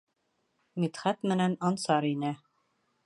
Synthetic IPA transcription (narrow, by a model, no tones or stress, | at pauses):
mit̪χæt̪mɘ̆nænɑnsɑɾinɘ